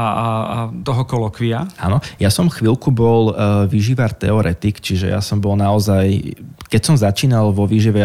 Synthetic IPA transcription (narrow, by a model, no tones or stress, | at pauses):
a | t̪ɔɦɔkɔlɔkʋiaanɔjasɔmxʋilkubɔlʋiʒiʋaɾt̪ɛ̰ɔɾʔɛt̪ikt͡ʃiʒɛ̰ja̰sɔmbɔlnaɔzajkɛcsɔmzat͡ʃiːnalʋɔʋiʒiʋɛ